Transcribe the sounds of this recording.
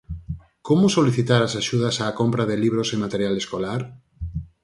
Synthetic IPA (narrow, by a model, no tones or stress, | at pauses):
komosoliθit̪aɾasaʃuð̞asaːkompɾaðeliβ̞ɾosemat̪eɾjaleskolaɾ